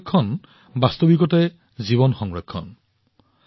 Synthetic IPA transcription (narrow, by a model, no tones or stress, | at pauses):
kʰːɔn | bast̪ɔbikɔtaj | ziβɔnxɔŋɹekʰːɔn